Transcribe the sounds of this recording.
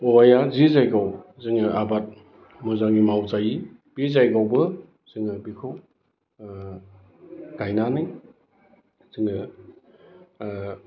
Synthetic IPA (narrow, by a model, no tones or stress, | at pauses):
ɔwajazizajɡawzɯŋɯʔabat̚ | mɔzaŋimawzaji | b̥izajɡawbɯ | z̥ɯŋɯbikʰow | ɡ̥ajnanɯŋ | z̥ɯŋɯ